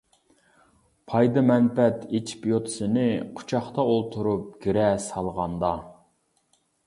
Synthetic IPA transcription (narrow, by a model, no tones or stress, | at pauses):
pʰɑjd̪ɨmɛnpɛt̪et͡ʃʰi̥pjot̪ʰsɨnɪqʰʊ̥t͡ʃʰɑχt̪ɑolˠt̪ʰuɾup̚ɡ̥ʲiɾɛsɑlˠʁɑnd̪ɑ